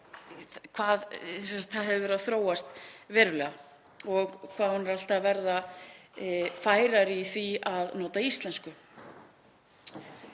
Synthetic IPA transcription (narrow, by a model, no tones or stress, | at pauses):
kʰvaːðsɛst̪θaðɦɛvɪvɛɾaθɾoːwast̪vɛːɾʏlɛːɣa | ɔɣkʰvaːðhunːɛɾal̥t̪avɛɾða | faːjɾaɾiθiaðnɔːt̪aist̪lɛnskʏ